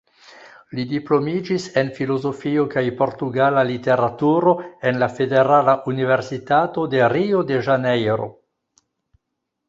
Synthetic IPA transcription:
lidiplo̞mid͡ʒise̞nfilo̞zo̞fiokajpo̞ɾtuɡalalite̞ɾatuɾo̞e̞nlafe̞de̞ɾalaʔunive̞ɾsitato̞de̞ɾiode̞ʒanejɾo̞̰

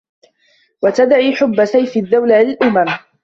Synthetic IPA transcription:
wat̪ad̪ʕiːħʊbːasajfɪd̪ːawlalɪlʔʊmam

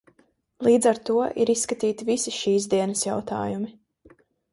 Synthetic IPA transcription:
lˠiːd̪zaɾt̪uɔʔiɾisːkat̪iːt̪ivisiʃiːzd̪iɛnɐsjawt̪a̰ːjumi

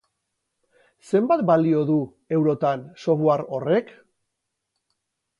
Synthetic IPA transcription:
se̞mbat̪balio̞ðu | e̞wɾo̞t̪anso̞βoaɾo̞re̞k

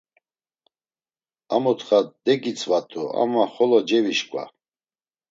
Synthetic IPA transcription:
amɔt̪χad̪ɛɡit͡sʰʼvat̪ʰʼua̰maχɔlɔd͡ʒɛviʃkʼwa̰

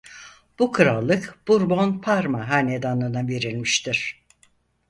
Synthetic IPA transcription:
b̥ukʰɯɾalˠːɯkb̥uɾbo̞npʰaɾmaɦanʲed̪anɯnave̞ɾilʲmiʃt̪ʰiɾ̥

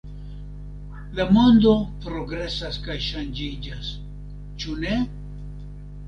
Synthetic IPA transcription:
lamo̞nd̪o̞pɾo̞ɡɾe̞saskajʃand͡ʒid͡ʒas | t͡ʃune̞

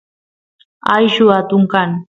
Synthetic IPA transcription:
ajʃʊat̪ʊŋkaŋ

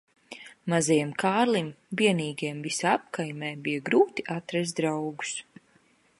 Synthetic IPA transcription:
mazajɛmkʰaːɾlimbiɛniːɡiɛmvisap̚kajmɛːbijaɡɾuːt̪iʔat̪ɾɛs̬d̪ɾawɡu̥s

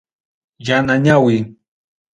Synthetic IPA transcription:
janaɲawɪ

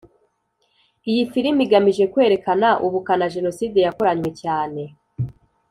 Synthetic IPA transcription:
ijifiɾimiɡamiʒe̞kwe̞ːɾe̞kanaʔuβukanaʒe̞no̞siːde̞jakoɾaɲwe̞caːne̞

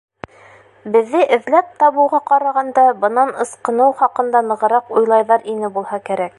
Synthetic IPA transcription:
bɘ̆ðːɘʔɘ̆ðlæp̚t̪ɑβɤ̆wʁɑqɑɾɑʁɑnd̪ɑbɤ̆nɑnɤ̆sqɤ̆nɤwχɑqɤ̆nd̪ɑnɤ̆ʁɤ̆ɾɑqujlˠɑjðɑɾinɘbulˠhɑkæɾæk̚

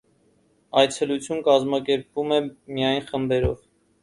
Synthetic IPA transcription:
ɑjt͡sʰɛlut͡sʰjunkɑzmɑkɛɾpvumɛmijɑjnχəmbɛɾɔ̰v

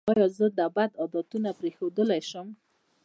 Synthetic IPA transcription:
ɑjɑzəd̪abad̪ɑd̪ɔt̪unapɾexod̪əlajʃəm

